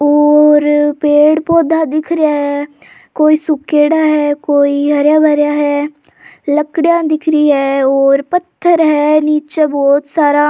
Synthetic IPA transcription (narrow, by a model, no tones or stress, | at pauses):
ɔːɾpeːɽpoːd̪ʱad̪ɪkʰɾjaɦɛː | koːiːsʊkːeːɽaɦɛkoːiɦəɾjaːbʱəɾjaːɦɛː | ləkɽjãːd̪ɪkʰɾiɦɛːɔːɾpət̪ʰːəɾɦɛːniːt͡ʃebɔːt̪saːɾa